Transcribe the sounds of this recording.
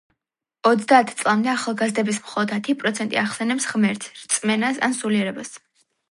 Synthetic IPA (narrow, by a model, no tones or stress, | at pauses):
ɔt̪sʰd̪aːt̪ʰt̪sʼlˠamd̪ɛaχalˠɡazd̪ɛbismχɔlˠɔd̪at̪ʰipʼɾɔt̪sʰɛnt̪ʼḭaχsɛnɛpsʁmɛɾt̪ʰɾt̪sʼmɛnasa̰nsuliɛɾɛbas